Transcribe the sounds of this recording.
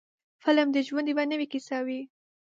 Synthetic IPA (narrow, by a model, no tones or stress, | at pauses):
fələmd̪əʒwand̪ibanəwikisɑwi